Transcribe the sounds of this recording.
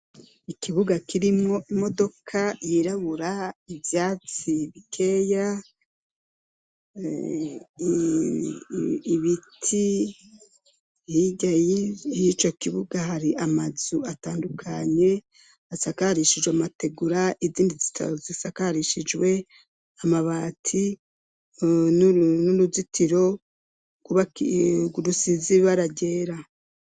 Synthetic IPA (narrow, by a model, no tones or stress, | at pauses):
ikʰiβuɡakʰiɾimoimo̞do̞kʰajiɾaβuɾaivjaːt͡siβikʰe̞ːja | βitʰi | hiɟajijit͡ʃo̞kiβuɡaɦaɾiʔamazuataːndukʰaɲe̞ | asakaɾiʃid͡ʒweamate̞ɡuɾaʔiziːndizita̰zisakaɾiʃid͡ʒwe̞ | amaβaːtʰi | nunuɾuzitʰiɾo̞ | ɡ̥uβaɡuɾusiziβaɾaɟe̞ːɾa